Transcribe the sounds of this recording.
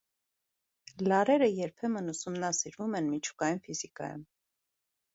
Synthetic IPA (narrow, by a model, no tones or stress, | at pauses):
lɑɾɛɾəjɛɾpʰɛmənusumnɑsiɾvumɛnmit͡ʃʰu̥kɑjunfizikɑ̰jṵm